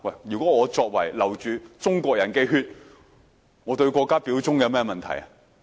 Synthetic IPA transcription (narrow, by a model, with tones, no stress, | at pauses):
wɐ˥˩jjyː˨˩kɔː˨˥ŋɔː˨˧t͡sɔː˧k̚wɐ˨˩jlɐ˨˩wt͡ʃyː˨t͡sʊ˥ŋkʷɔː˧k̚jɐ˨˩nkɛ˧ɦyː˧t̚ | ŋɔ˨˧t̪ɵ˧ɥkʷɔː˧kːaː˥piː˨˥wt͡sʊ˥ŋkɛ˨˧mɛː˥mɐ˨nt̪ʰɐ̰˨˩jɐ˨